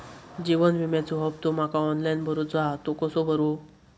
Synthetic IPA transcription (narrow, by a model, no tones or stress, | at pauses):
d͡ʑiʋənʋimjat͡suɦəb̚t̪om̤akaɔnlajnbʱəɾud͡zat̪okəsobʱəɾu